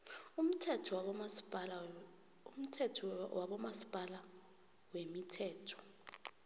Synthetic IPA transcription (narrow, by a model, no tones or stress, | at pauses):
um̩tʰɛtʰɔ | um̩tʰɛtʰwaɓɔmasi̥pʼala | wemitʰɛːtʰɔ̥